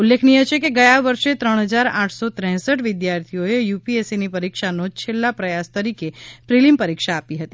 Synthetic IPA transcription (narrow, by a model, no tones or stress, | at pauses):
ulːekʰniɦet͡ʃʰekeɡəjaʋəɾʃet̪ɾəɳ̃ɦəd͡ʒaɾãʈʰsot̪ɾɛ̃ɦsəʈʋɪd̪jaɾt̪ʰijoejupiesinipəɾikʃanot͡ʃʰelːapɾəjast̪əɾikepɾilimpəɾikʃaːpiɦət̪i